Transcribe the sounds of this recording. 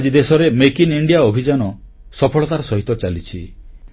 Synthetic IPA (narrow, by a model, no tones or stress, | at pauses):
d͡ʒid̪esɔɾemekiniɳɖijaobʱid͡ʒanɔ | sɔpʰɔɭɔt̪aɾɔsɔɦit̪ɔt͡ʃalit͡ʃʰi